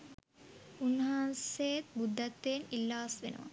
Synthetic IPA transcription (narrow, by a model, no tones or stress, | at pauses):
unːɦaːnsejt̪̚bud̪ʱːɐt̪ːeːnilːaːsʋenə̰ʋa̰